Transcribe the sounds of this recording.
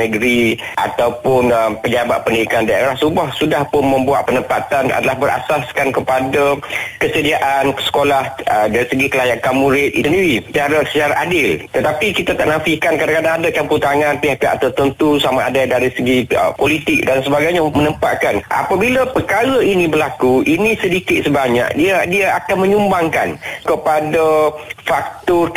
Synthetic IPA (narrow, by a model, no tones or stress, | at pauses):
nəɡɾi | ʔa̰t̪awpʊnəmpəɲaba̰ʔ̪̚pəndiikandiaeɾahsubahsudahpʊnmə̃mbua̰ʔ̪̚pənəmpat̪ana̰dalahbəɾʔa̰saskankəpadakəsədiaʔansə̥kolahədaɾisəɡik̪əlajaʔkamuɾɪt̪̚isəndiɾit͡ʃaɾasət͡ʃaɾaʔadɪlt̪ət̪apikit̪at̪aʔnafɪhkankadakadaŋadakamput̪aŋãnpiɦaka̰ʔt̪ət̪ənt̪usamaadadaɾisəɡiə̰polit̪ɪk̚dansəbaɡajɲamənəmpa̰ʔkanʔa̰pabilapəkaɾainĩbəlakuʔinĩsədikɪt̪̚səbaɲa̰ʔdiadiaakanməɲumbaŋka̰nkəpadafak̚t̪ɔr